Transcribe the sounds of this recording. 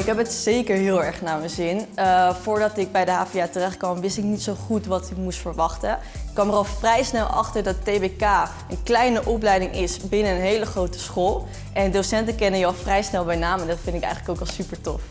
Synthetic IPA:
ɪkɦɛpətsejkəɹɦɪːlˠɛɹχnaːɹmənzɪnfʊːɹdɑtɪɡ̚bɛjdəɦaːfiaːtərɛχt̚kʋɑmʋɪstɪknitsowχutʋɑtɪkmustfəɹʋɑχtə | ɪkʋɑmərɑlˠfrɛjsnɛlˠʔɑ̰χtəɹdɑttejbekaː | ənklɛjnəʔɔplɛjdɪŋʔɪsbɪnənənɦejləχrowtə̥sχoːlˠ | ʔɛndosɛntəkɛnənjəɑlˠfrɛjsnɛlˠbɛjnaːmɛndɑtfɪndɪkɛ̰jχələkowkɑlˠsypəɹtɔ̰f

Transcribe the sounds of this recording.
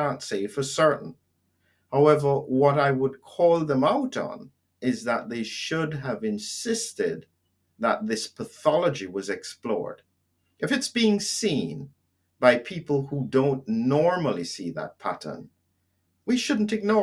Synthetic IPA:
ãntseɪfə˞sɜ˞ʔn̩ | haʊɛvə˞wʌɾaɪwəd̚kʰɔlˠðə̃maʊɾn̩ | ɪzðət̪̚ðeɪʃʊdəvɨ̃nsɪstɪd̪̚ | ðə̰t̪̚ðɪspʰəθɑlˠəd͡ʒiwʌzɨksplɔ̰ɹd̥ | ɨfɨtsb̥iɪ̃ŋsĩn | baɪpʰipl̩ˠhudõʊ̃nnɔɹml̩ˠisiðə̰t̚pʰæ̰ɾə̰˞n | wiʃʊdⁿn̩tɨɡ̚nɔ

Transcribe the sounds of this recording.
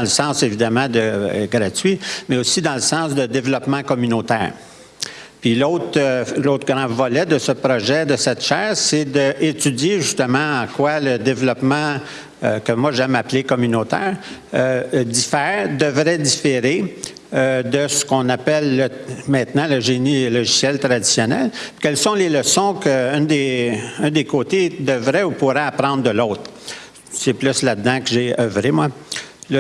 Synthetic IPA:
ãləsɑ̃ːsevid̪amɑ̃d̪əɡɾatɥimɛosid̪ɑ̃ləsɑ̃ːsd̪əd̪evlɔpmɑ̃kɔmynot̪ɛ̰ːʁ | pɥiloːt̪loːt̪χɡʁɑ̃vɔlɛd̪əsəpʁɔʒɛd̪əsɛt̪ʃɛːʁsed̪əʔɪt̪yd͡zjeʒyst̪əmɑ̃ɑ̃kwaləd̪evlɔpmɑ̃ | økəmwaʒɛmaplekɔmynot̪ɛ̰ːʁ | d̪ifɛːʁd̪əvɾɛd̪ifeʁe | ød̪əsə̥kɔ̃napɛlːəmɛ̃t̪nɑ̃ləʒenilɔʒisjɛlt̪ɾad̪i̥sjɔnɛ̰lkʲɛlsɔ̃leləsɔ̃kəynd̪eɛ̃d̪ekoːt̪ed̪əvʁɛupuʁɛapɾɑ̃d̪ʁd̪əloːt̪ɾ | sɛplyslad̪d̪ɑ̃kəʒeœvʁemwal

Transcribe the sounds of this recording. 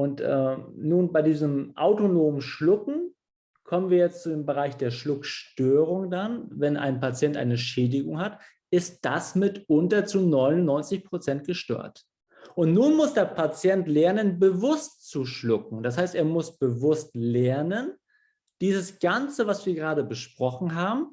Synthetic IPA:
ʔʊntʔɛ̰nuːnbaɪdiːzəmʔa̰ʊtonoːmənʃlʊkŋ̩ | kʰɔmənviːɐjɛt͡stt͡sudeːmbəʁ̞aɪçd̥eːɐʃlʊkʃtøːʁ̞ʊŋdanvɛnʔa̰ɪnpat͡sjɛntʔa̰ɪnəʃɛːdɪɡʊŋhat | ɪst̚d̥asmɪtʊntɐt͡sunɔʏnʊnnɔʏnt͡sɪçpʁ̥ot͡sɛnt̚ɡ̥əʃtø̰ːɐt | ʔʊntnuːnmʊsd̥eːɐpʰat͡sjɛntlɛɐnənbəvʊstt͡suʃlʊkŋ̩d̥ashaɪsteːɐmʊsb̥əvʊstlɛɐnən | d̥iːzəsɡ̥ant͡səvasv̥iːɐɡəʁaːdəbəʃpʁ̥ɔχn̩ɦaːbm̩

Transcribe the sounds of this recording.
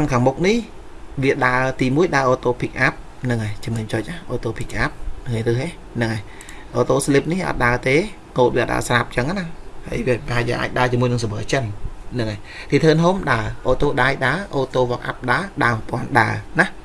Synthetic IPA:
nkʰaːŋmuk̚nih | ʋiəɗaət̪iːmuəjɗaəʔoːt̪oːpʰik̚ʔap̚ | nɨŋajt͡ɕimɨɲt͡ɕoːc̚ʔahʔoːt̪oːpʰik̚ʔap̚nŋajrɨːhɦe | nɨŋaj | ʔoːt̪oːslip̚nihʔɑ̰ːt̪̚ɗaət̪eː | koːt̪̚ʋiəʔt̪ɗa̰ːəsrap̚t͡ɕəŋanaha̰jʋiəpəɦaɛjʋiəʔa̰ːc̚ɗaət͡ɕiəmuəjnɨŋsaʋəːt͡ɕənnɨŋaj | t̪iːt̪ʰəːnɦomɗaəʔoːt̪oːɗaːjɗaəʔoːt̪oːʋŏək̚ʔa̰p̚ɗaəɗaəpŏənɗaənah

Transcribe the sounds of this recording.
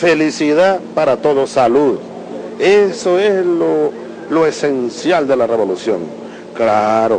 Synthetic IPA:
felisiðapaɾat̪oðosaluð | esoeslo | loesensjald̪elareβolusjõ̰ŋ | klaɾo

